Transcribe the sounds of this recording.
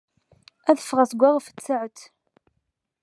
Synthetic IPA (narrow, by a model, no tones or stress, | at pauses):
æðəfːəʁæsəɡʷːaʁəfə̥t͡sːəʕət̪